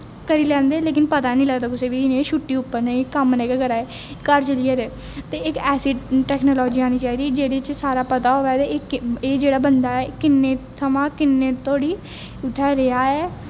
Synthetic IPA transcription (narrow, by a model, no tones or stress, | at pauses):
kəɾiːlɛ̃ːnd̪eːleːkɪnpət̪aːnĩːləɡt̪aːkʊseːʋiːiːnieːʃʊʈːiːʊpːəɾnẽkəmnɛ̃kəɡəɾaːeː | kəɾt͡ʃəliːəɾeː | t̪eːɪkɛːsɪɖʈɛːknoːlɔːd͡ʒiːaːñiːt͡ʃaːiːd̪iːd͡ʒeːɽiːt͡ʃsaːɾaːpət̪aːɦoːɛːd̪eeːd͡ʒeːɽaːbənd̪aːɛːkɪnːeːt̪ʰəmãːkɪnːeːt̪ʰoːɽiː | ʊt̪ʰːɛːɾeaːɛː